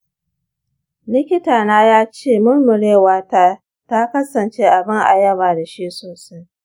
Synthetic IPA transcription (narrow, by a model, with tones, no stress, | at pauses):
lɪ˦kʲɪ˦taː˨naː˦jaː˦t͡ʃeː˦˨mʊ˦rmʊ˨ɽeː˦waː˦taː˦ | ta˦kɐ˦sɐ˨nt͡ʃeː˦ʔa˨bɪ˦ŋʔa̰˨jɐ˦baː˨da˨ʃi˦ʔsoː˨sa˦j